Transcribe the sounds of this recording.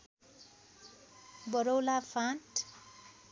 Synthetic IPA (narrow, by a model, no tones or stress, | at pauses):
bʌɾowlapʰãʈ